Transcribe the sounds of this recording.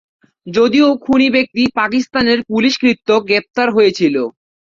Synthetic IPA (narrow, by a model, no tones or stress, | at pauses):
d͡ʑod̪iokʰunibek̚t̪ipakist̪aneɾpuliʃkɾit̪ːoɡɾep̚t̪aɾɦojet͡ɕʰilo